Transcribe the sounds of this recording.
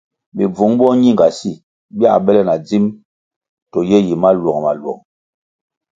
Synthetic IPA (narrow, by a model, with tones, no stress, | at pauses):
bi˨b͡vo˨˦ŋbɔ˦ɲi˦ŋ˨ɡa˨si˦˨ | bi˦a˦˨ɓɛ˦lɛ˦˨na˨d͡zi˦m | tɔ˨jɛ˦ji˨ma˦lɔ˨ŋ˨ma̰˨lwɔ̰˨ŋ